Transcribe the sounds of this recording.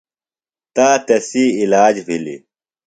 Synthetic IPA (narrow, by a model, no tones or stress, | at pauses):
t̪aːt̪ɐsiilaːd͡ʑbilḭ